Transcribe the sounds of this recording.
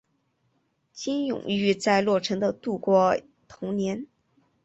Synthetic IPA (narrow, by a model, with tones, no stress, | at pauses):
t͡ɕi˥njʊ̰˨˩ŋy˥˧t͡sa˥˧ɪlwɔ˥˩ʈ͡ʂʰɤ˧˥ŋd̪ə˧t̪u˥˩kwɔ˥ | t̪ʰʊ˧˥ŋnjɛ˧˥n